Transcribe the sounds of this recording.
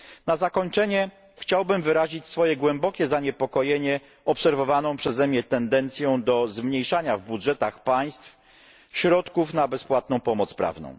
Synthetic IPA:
nazakɔɲt͡ʂɛɲɛ | xt͡ɕawbɘmvɘɾaʑit͡ɕsfɔjɛɡwɛmbɔkʲɛzaɲɛpɔkɔjeɲɛ | ɔpsɛɾvɔvanɔ̃w̃pʂɛzɛmɲɛt̪ɛnd̪ɛnt̪sʲjɔ̃w̃d̪ɔzmɲejʂaɲavbudʐɛt̪axpaj̃st̪f | ɕɾɔt̪kufnabɛspwat̪̚nɔ̃w̃pɔmɔt̪spɾa̰vnɔ̰̃w̃

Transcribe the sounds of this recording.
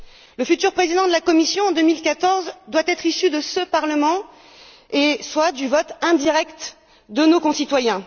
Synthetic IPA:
ləfyt̪yʁpχezid̪ɑ̃d̪əlakɔmisjɔ̃ɑ̃d̪əmilkat̪ɔʁzd̪wat̪ɛt̪χisyd̪əsəpaʁləmɑ̃ | eswad̪yvɔt̪ɛ̃d̪iʁɛkt̪ | d̪ənokɔ̃sit̪wajɛ̃

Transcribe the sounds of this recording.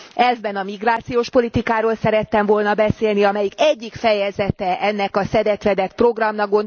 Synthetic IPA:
ɛzbɛnɒmiɡraːt̪sijoːʃpo̞lit̪ikaːɾoːlsɛɾɛt̪ːɛɱvo̞lnɒbɛseːlniɒmɛjikɛɟːikfɛjɛzɛt̪ɛʔɛnːɛkɒsɛd̪ɛt̪ʋɛd̪ɛt̪pro̞ɡrɒmnɒɡo̞n

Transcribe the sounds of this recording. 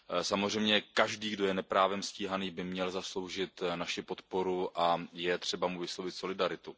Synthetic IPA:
samozr̝ɛjmɲɛkaʒdiːɡdo̞jɛnɛpɾaːvɛmsciːɦaniːbɪmɲɛlzaslo̞wʒɪt̪naʃɪpo̞t̪po̞ɾuʔajɛt̪r̥ɛbamuvɪslowvɪt̪so̞lɪdaɾɪt̪u

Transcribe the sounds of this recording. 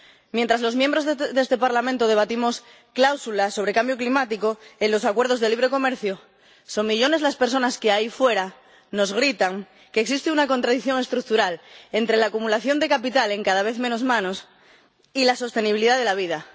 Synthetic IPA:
mjent̪ɾazlo̞zmjembɾozðe̞st̪e̞paɾlamẽnt̪oð̞e̞β̞at̪imo̞s | klawsulaso̞β̞ɾe̞kambjoklimat̪ikoenlo̞sakwe̞ɾð̞o̞zðe̞liβ̞ɾe̞ko̞me̞ɾθjo | so̞mmiʎo̞ne̞zlaspe̞ɾso̞naskeaifwe̞ɾa | no̞zɣ̞ɾit̪aŋ | keːksist̪eunako̞nt̪ɾaðiθjoŋe̞st̪ɾuk̚t̪uɾalent̪ɾe̞laːkumulaθjo̞nd̪e̞kapit̪ale̞ŋkaðaβ̞eθmẽ̞nozmãnos | ilaso̞st̪e̞niβiliðaðe̞laβ̞ið̞a

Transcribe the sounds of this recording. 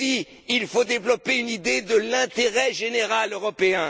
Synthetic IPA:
i | ilfod̪evlɔpeynid̪ed̪əlɛ̃t̪eʁɛʒeneʁaløʁɔpeɛ̃

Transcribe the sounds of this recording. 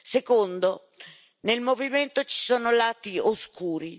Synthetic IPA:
sekond̪o | nelmoviment̪ot͡ʃi̥soːnolaːt̪ioskuːɾi

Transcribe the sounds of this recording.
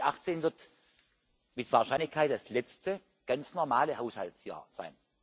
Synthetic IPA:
ʔaχt͡seːnvɪɐt | mɪtv̥aːɐʃaɪnlɪçkʰaɪt̚d̥aslɛt͡stə | ɡ̥ant͡snɔɐmaːləhaʊshaltsja̰ːɐz̥a̰ɪn

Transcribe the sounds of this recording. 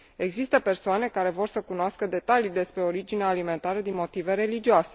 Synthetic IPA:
e̞ɡzist̪əpe̞rsoane̞kaɾe̞vo̞rsəkunoaskəd̪e̞t̪alid̪e̞spɾe̞o̞ɾid͡ʒineaːlime̞nt̪aɾəd̪inmo̞t̪ive̞ɾe̞lid͡ʒioase̞

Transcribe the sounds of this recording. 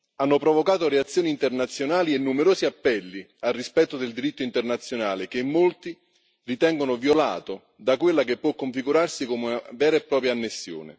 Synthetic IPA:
anːopɾovokaːt̪oɾeat̪sːjoːniːnt̪ernat̪sːjonaːlienːumeɾoːsiapːɛlːi | alrispɛt̪ːod̪eld̪iɾit̪ːoint̪ernat̪sːjonaːlɪkemːolt̪i | rit̪ɛŋɡonʊvjola̰ːt̪o | d̪akwelːakepːwɔkːoɱfiɡuɾarsikomunavɛːɾaepːɾɔːp̬ɾjaːnːesːjo̰ːnɪ̰

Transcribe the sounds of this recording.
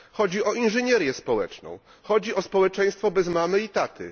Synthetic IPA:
xɔd͡ʑiɔʔinʐɛɲɛɾʲjɛspɔwɛ̰t͡ʂnɔ̰̃w̃ | xɔd͡ʑiɔspɔwɛt͡ʂɛ̃j̃st̪fɔbɛzmamɘit̪at̪ʰɘ̰

